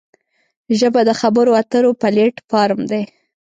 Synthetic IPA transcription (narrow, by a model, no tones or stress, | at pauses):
ʒəbad̪əxabəɾoat̪əɾopaleʈpɑɾmd̪e